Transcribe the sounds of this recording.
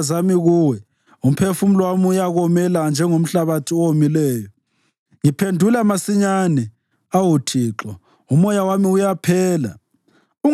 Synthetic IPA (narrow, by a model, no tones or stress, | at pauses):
zamiɣuwɛ | um̩pʰefum̩lwamiujaɣɔmɛland͡ʒʱɛŋom̩ɬaβatʰiɔwomilɛːjɔ | ŋipʰendʱulamasiɲanɛ | awutʰiːǁɔ | umɔjawamiujapʰɛːla̰ | u